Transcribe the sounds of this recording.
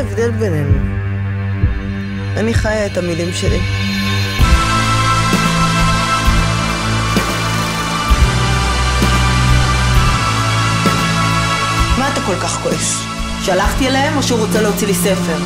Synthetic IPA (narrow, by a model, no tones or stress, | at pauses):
evd̪elbenenu | aniχajaet̪amilimʃelḭ | maːt̪ako̞lkaχko̞ʔes | ʃalaχt̪ialehemoʃeuʁot͡seleot͡silise̞fe̞ʁ